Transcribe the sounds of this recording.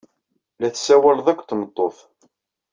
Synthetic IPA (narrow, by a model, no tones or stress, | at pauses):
læθsæwælðˤækʷːt̪ːmət̪ˤːoθ